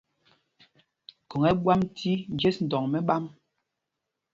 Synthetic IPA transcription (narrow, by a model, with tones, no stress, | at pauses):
ko˨ŋɛ˦ɓwa˦mtʰi˦n˨d͡ʒe˦sn̩˨dɔ˨ŋmɛ˦ɓa˦m